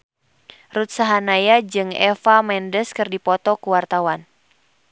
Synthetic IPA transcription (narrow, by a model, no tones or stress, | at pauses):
rut̪̚saɦanajad͡ʒɨŋɛ̰famɛndəskɨrdipɔt̪ɔkuwart̪awan